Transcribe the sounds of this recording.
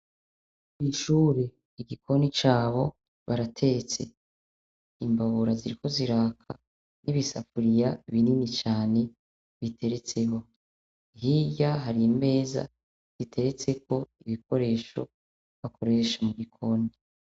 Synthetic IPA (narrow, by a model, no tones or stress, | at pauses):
iʃuːɾe | iɡikʰo̞nit͡ʃaːβo̞ | βaɾatʰe̞t͡se̞̰ | imbaβuɾaziɾiko̞ziɾaːkʰa̰ | niβisa̰fuɾijaiβininit͡ʃaːne̞ | βitʰe̞ɾe̞t͡se̞ho̞ | ɦijaɦaɾiime̞ːza̰ | z̥itʰe̞ɾe̞t͡se̞ko̞iβiko̞ɾe̞ːʃo̞̰ | βakʰo̞ɾe̞ːʃamuɡikʰo̞ːni